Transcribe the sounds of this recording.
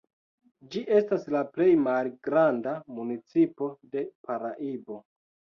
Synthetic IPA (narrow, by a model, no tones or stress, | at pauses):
d͡ʒiʔe̞staslaple̞jmalɡɾandamunit͡sipo̞de̞paɾaʔibo̞